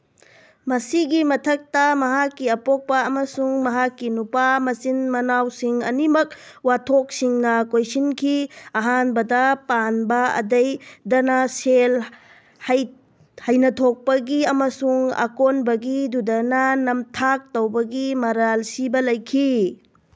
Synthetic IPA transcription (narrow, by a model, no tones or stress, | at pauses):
mɐsiɡimɐtʰɐk̚tɐmɐɦakːiɐpok̚pɐɐmɐsuŋmɐɦakːinupamɐsinmɐnawsiŋɐ̰nimɐk̚ | watʰok̚siŋnɐkojsinkʰiɐɦanbɐdɐpanbɐɐ̰dɐjdɐnasel | hɐj | hɐjnɐtʰok̚pɐɡiɐmɐsuŋa̰konbɐɡidudɐnɐnɐmtʰak̚towbɐɡimɐɾalsibɐlɐjkʰi